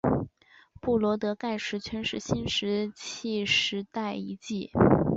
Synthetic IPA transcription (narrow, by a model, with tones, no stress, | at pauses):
pu˥˩lwɔ˧˥t̪ɤ˧˥ka˥˧ɪʂɻ̩˧˥t͡ɕʰɥɛ˧˥nʂɻ̩˥ɕi˥nʂɻ̩˧˥t͡ɕʰi˥˩ʂɻ̩˧˥t̪a˥˩ɪi˧˥t͡ɕi˥˩